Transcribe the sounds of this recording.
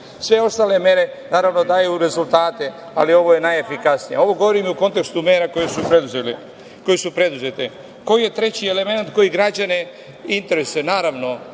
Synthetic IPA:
sʋe̞o̞st̪aːle̞me̞ɾe̞ | naːɾaʋno̞d̪aːjuɾe̞zult̪aːt̪e̞ | a̰lio̞ʋoje̞najefikasnijeo̞ʋo̞ɡo̞ʋoɾimiuko̞nt̪e̞kst̪umeːɾako̞jesupɾed̪uzeli | ko̞jesupɾe̞d̪uze̞t̪e | ko̞jje̞t̪ɾe̞t͡ɕiele̞me̞nat̪ko̞jiɡɾad͡ʑane | int̪eɾesenaːɾaʋno̞

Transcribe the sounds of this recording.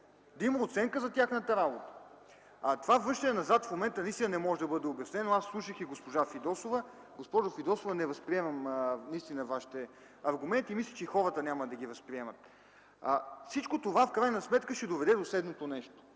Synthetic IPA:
d̪ɐimɐot̪sɛŋkəzɐt̪ʲaxnət̪əɾabot̪ə̥ | t̪ovavɾɤʃt̪ənɛnɐzat̪fmomɛnt̪ənɐist̪inənɛmɔʒɛd̪ɐbɤd̪ɛobjɐsnɛnoasːlˠuʃəxiɡospoʒafid̪ɔsovə | ɡospɔʒʊfid̪ɔsovɐnɛvɐspɾiɛmɐmnɐist̪inəvaʃi̥t̪ɛ | ɐɾɡumɛnt̪imislʲit͡ʃɛxɔɾət̪ənʲaməd̪ɐɡivɐspɾiɛmɐt̪̚ | fsit͡ʃkot̪ovafkɾajnɐsmɛt̪kəʃɛd̪ovɛd̪ɛd̪osɛd̪not̪onɛʃt̪o̥

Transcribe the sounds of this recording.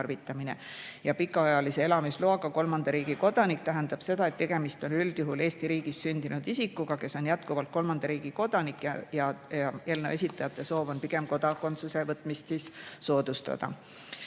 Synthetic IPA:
rvit̪ːˑɑmine̞̰ | jɑpikːˑɑɑjɑlise̞elɑmisloɑɡ̥ɑko̞lmɑnd̪̥ɑɾiːɡ̥iko̞d̪̥ɑnik̚t̪æɦe̞nd̪̥ɑb̥se̞d̪̥ɑe̞t̪t̪ːeɡ̥e̞mist̪o̞nyld̪̥juɦule̞ːst̪iɾiːɡ̥isːynʲd̪̥inud̪̥isikːˑuɡ̥ɑke̞so̞njæt̪kuvɑlt̪̚ko̞lmɑnd̪̥ɑɾiːɡ̥iko̞d̪̥ɑnikːˑjɑjɑɑe̞ːlnḛe̞sit̪ːˑɑjɑt̪ːˑe̞so̞ːvo̞npiɡe̞mko̞d̪̥ɑko̞nt̪suse̞vɤt̪ːˑmist̪sisso̞ːd̪̥ust̪ɑ̰d̪̥ɑ̰

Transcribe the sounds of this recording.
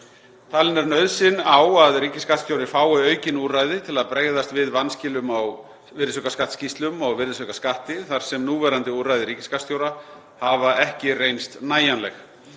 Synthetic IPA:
t̪ʰaːlɪnɛɾnœɥðsɪnawaðɾiːcɪskat̪st̪jowɾɪfaːwɪœːɥcɪnuːraːjðɪt̪ʰɪlaðpɾeɣðast̪vɪðvanːscɪlʏmaw | vɪɾɪsœkaskaht̪scist̪lʏmɔɣvɪɾðɪsœkaskaht̪ɪθaɾ̥sɛmnuːvɛɾant̪ɪuɾajðɪɾiːcɪ̥skat̪st̪jowɾa | havaɛhcɪrejnst̪naːjanlɛ̰x

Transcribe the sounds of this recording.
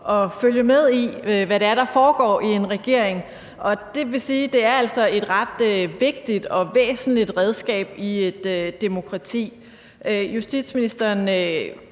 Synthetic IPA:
ʔɒ̽føljəmeð̞ˠiʋæɾe̝æɐɾ̥ɑ̈fɒːɡ̥ɒ̰ːʔie̝nʁɛɡ̥e̝ɐ̰eŋ | ʔɒ̽d̥e̝ʋe̝siːd̥e̝æɐæl̰sɒ̽e̝d̥ʁɑ̈d̥øʋe̝ɡ̥̚d̥id̥ɒ̽ʋḛːsn̩lid̥ʁɛð̞ˠsɡ̥ɛ̰ːb̥ie̝d̥ø̥ːemo̝kʰʁɑ̈t͡sʰḭː | øjusd̥id̥sminisd̥ɐnø

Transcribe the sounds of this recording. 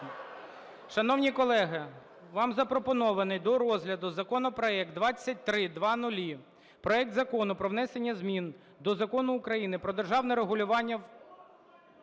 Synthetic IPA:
ʃɐnɔwnʲikɔlˠɛɦɐ | ʋɑmzɐpɾɔpɔnɔʋɐnɪjd̪ɔɾɔzɦlʲɐd̪ʊzɐkɔnɔpɾɔɛk̪̚d̪ʋɑt͡sʲːɐt̚ʲt̪ɾɪd̪ʋɑnʊlʲi | pɾɔɛk̚d̪zɐkɔnʊpɾɔʋnɛsenʲːɐzmʲin | d̪ɔzɐkɔnʊːkɾɐjinɪpɾɔd̪erʒɑwnɛɾeɦʊlʲʊʋɑnʲːɐw

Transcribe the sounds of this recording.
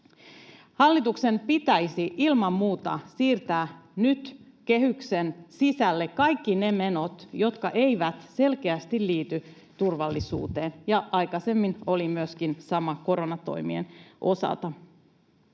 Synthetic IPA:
hɑlːit̪ukse̞mpit̪æjsiʔilmɑmmuːt̪ɑ̰siːrt̪æːnyt̪ | ke̞hyksensisælːekkːɑjkːine̞me̞no̞t̪jo̞t̪kɑʔe̞jʋæt̪se̞lk̟eæst̪illiːt̪y | t̪urʋɑlːisṵːt̪eːnjɑɑjkɑse̞mːino̞limyøskinsɑmɑko̞ɾo̞nɑt̪o̞̰jmiḛnʔo̞̰sɑ̰lt̪ɑ

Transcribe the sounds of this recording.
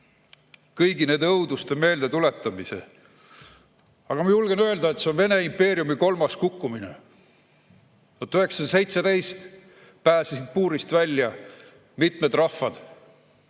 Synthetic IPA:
kɤjɡine̞ːd̪̥ɤwd̪ust̪eme̞ːld̪e̞t̪ule̞t̪ːˑɑmisḛ | ɑɡ̥ɑmɑjulɡe̞nø̞e̞ld̪ɑet̪se̞onve̞ne̞impe̞ːɾiumiko̞lmɑskukːumine̞̰ | ot̪ːˑyɦe̞ksɑnse̞jt̪sed̪e̞jst̪ | pæːsisid̪̥̚puːɾist̪vælʲːjɑ | mit̪me̞d̪rɑhːɑd̪̥

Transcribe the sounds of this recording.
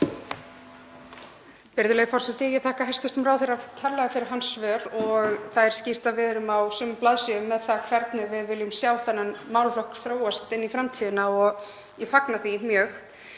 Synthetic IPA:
pɪɾðɪʏleːɣɾfɔr̥sɛt̪ɪjɛθaːhkaɦɛjst̪ʏst̪ʏmɾaːwθejɾak̪ʰɛɾlːaðɪfɪɾɪɾ̥ɦansvœːɾɔɣθaðɛɾ̥scɪr̥t̪aðvɛːðɾʏmawsʏːmʏplaðsjœʏmːɛðθakʰvɛɾt̪nʏɣvɪðvɪljʏmsjaːwθanːanmaːwlflɔhkθɾoːwast̪ɪnːifɾamt̪ʰiːðɪnaɔɣ | ifaknaθimjœːx

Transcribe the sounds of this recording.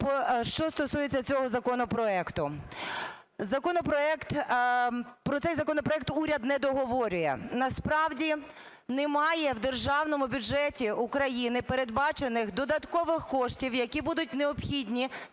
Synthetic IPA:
pɔʃt͡ʃɔst̪ɔsujet͡sʲːɐt͡sʲɔɦɔzɐkɔnɔpɾɔɛkt̪ʊ | zɐkɔnɔpɾɔɛkt̪ | pɾɔt̪ɛjzɐkɔnɔpɾɔɛk̚t̪uɾʲɐd̪nɛd̪ɔɦɔʋɔɾʲʊjɛ̰nɐspɾɑwdʲi | nemɑjɛwd̪erʒɑwnɔmʊbʲʊd͡ʒɛtʲiʊkɾɐjinɪpeɾed̪̚bɑt͡ʃe̞nɪxd̪ɔd̪ɐt̪kɔʋɪxkɔʃtʲiwjɐkʲibud̪ʊtʲneɔpxʲidʲnʲi

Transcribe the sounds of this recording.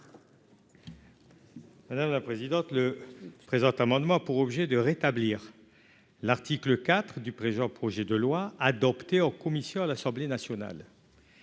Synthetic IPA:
mad̪amlapχezid̪ɑ̃t̪ləpχezɑ̃t̪lamɑ̃d̪mɑ̃puʁɔbʒed̪əʁet̪abliːʁ | laʁt̪ikləkat̪χd̪ypχeʒɑ̃pχɔʒɛd̪əlwaad̪ɔpt̪eɑ̃kɔmisjɔ̃alasɑ̃blenasjɔna̰l

